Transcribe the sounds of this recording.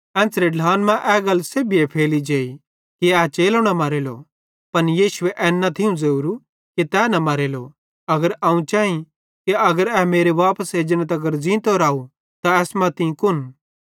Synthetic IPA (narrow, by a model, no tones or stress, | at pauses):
ɛ̃ːsɾeɖʱaːnmɛ̃ʔɛːɡɐlseːbiɛpʰeːlid͡ʒeːi | kiɛt͡ʃeːloɽ̃amɐɾeːlo̰ | pɐnjiːʃʊeʔɛːnːɐt̪ʰɪũd͡zɐuːɾu | kit̪ɛːnɐmɐɾeːlo | ɐɡəɾãːũt͡ʃaːĩ | kiɐɡəɾɛːmeːɾeʋaːpəseːd͡ʒənət̪ɐɡəɾd͡ʒĩːt̪oɾaːu | t̪aɛːsmãt̪ĩkʊn